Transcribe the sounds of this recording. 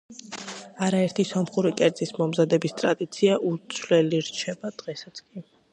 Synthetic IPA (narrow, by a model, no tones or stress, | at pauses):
aɾaɛɾt̪ʰisɔmχuɾikʼɛɾd̪zʼismɔmzad̪ɛbist̪ʼɾad̪it̪sʰiaʔut̪sʰvlɛliɾt͡ʃʰɛbad̪̥ʁɛsat̪sʰkʼi